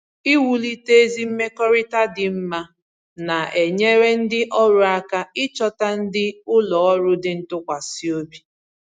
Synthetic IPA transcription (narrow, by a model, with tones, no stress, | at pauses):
i˦wu˦li˦te˦e˦zi˦m̩˦me˦kɔ˦ɾɪ˦ta˦dɪ˨m̩˦ma˦ | na˨e˨ɲe˦ɾe˦n̩˦dɪ˦ʔɔ˦ɾʊ˨˦a˦ka˦ɪ˦t͡ʃɔ˦ta˦n̩˦dɪ˦ʊ˦lɔ˨ɔ˦ɾʊ˦dɪ˦n̩˦tʊ˦kʷa˨si˦o˦bi˨